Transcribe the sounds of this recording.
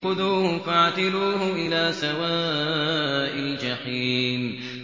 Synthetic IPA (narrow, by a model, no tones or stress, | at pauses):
ʊd̪uːhʊfaʕt̪ɪluːɦʊʔɪlaːsawaː | ʔɪld͡ʒaħiːn